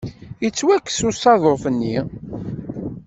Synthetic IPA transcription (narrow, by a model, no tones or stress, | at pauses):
jət͡sːwækːsusˤɑðˤofənːḭ